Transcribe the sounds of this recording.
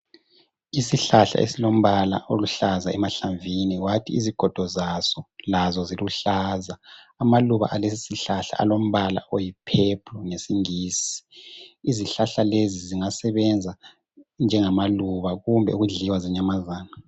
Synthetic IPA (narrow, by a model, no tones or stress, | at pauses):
isiɬaɬa̰ʔḛsilom̩βala̰ʔoluɬazaɛmaɬaɱviniwatʰiiziɡ̥ʱɔd̥ʱɔzasɔlazɔziluɬazaː | maluβa̰ʔalesisiɬaɬa̰a̰lom̩βala̰ʔojipʰepʰuŋesiŋiːsi̥iziɬaɬaleziziŋasɛβɛnd͡zʱa | nd͡ʒʱɛŋamaluβaɣumbʱɛ̰uɣuɮiwaziɲamazaːna